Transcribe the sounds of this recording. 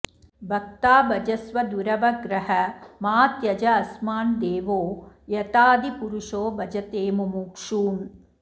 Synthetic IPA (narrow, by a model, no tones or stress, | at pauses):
bʱɐk̚t̪aːbɐd͡ʒɐsʋɐd̪uɾɐʋɐɡɾɐɦɐmaːt̪jɐd͡ʒɐɐsmaːnd̪eːʋoːjɐt̪aːd̪ipuɾuʂoːbɐd͡ʒɐt̪eːmumuːkʂuːm